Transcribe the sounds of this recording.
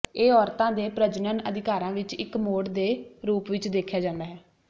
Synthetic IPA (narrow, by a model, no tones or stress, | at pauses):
eːɔːɾt̪ãːd̪eːpɾəd͡ʒnənəd̪ɪkaːɾãːʋɪt͡ʃɪkmoːɖd̪eːɾuːpʋɪt͡ʃd̪eːkʰːjaːd͡ʒãːnd̪aːɦɛː